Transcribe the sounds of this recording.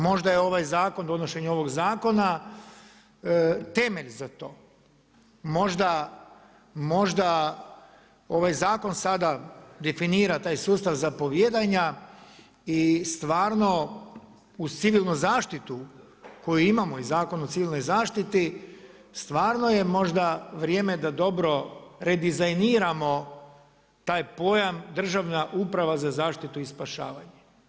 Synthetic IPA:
mo̞ʒd̪ajeo̞ʋajzaːko̞nd̪o̞noʃe̞ɲo̞ʋo̞ɡzaːko̞na | t̪e̞meʎzat̪o̞ː | mo̞ʒd̪a | mo̞ʒd̪a | o̞ʋajzaːko̞nsad̪ad̪e̞finiːɾat̪aːjsuːst̪aʋzapo̞ʋjed̪aɲa | ist̪ʋaːɾno̞ | ut̪siʋilˠnuzaːʃt̪it̪u | ko̞juimamo̞izaːko̞not̪siʋilno̞jzaːʃt̪it̪i | st̪ʋaːɾnoje̞mo̞ʒd̪aʋɾje̞ːme̞d̪ad̪o̞bɾo̞ɾed̪izajniːɾamo̞ | t̪aːjpo̞jamd̪r̩ʒaʋnaʔupɾaʋazazaːʃt̪it̪uispaʃa̰ːʋaɲe

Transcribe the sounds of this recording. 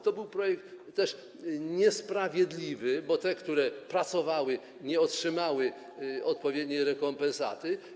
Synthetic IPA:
t̪ɔbɘwpɾɔjɛk̚t̪ːɛʂ | ɲɛspɾavʲjɛd̪lʲivɘbɔt̪ɛkt̪uɾɛpɾat̪sɔvawɘ | ɲɛɔtʂɘmawɘ | ɔt̪pɔvʲjɛd̪ɲɛjɾɛkɔmpɛ̃nsa̰t̪ɘ

